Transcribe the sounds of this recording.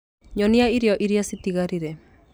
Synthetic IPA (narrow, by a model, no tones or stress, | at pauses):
ɲɔniaiɾiɔʔiɾiasit̪iɣaɾiɾɛ